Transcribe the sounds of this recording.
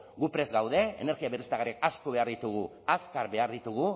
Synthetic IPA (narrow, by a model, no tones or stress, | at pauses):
ɡupɾe̞zɣawðe̞̰ːneɾɣiaβerist̪aɣaɾiekaskoβe̞aɾðit̪uɣ̞u | askaɾbe̞aɾðit̪uɣ̞u